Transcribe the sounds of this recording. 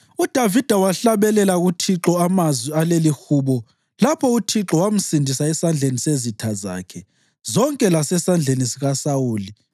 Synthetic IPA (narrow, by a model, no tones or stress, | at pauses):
ud̥ʱavid̥ʱawaɬaβɛlɛlaɣutʰiǁɔamazwialelixuːβɔ | lapʰɔutʰiǁɔwam̩sindʱisaɛsand͡ɮʱenisezitʰaza̰ːkʰɛ | zɔŋkʼɛlasɛsand͡ɮʱenisiɣasawuːli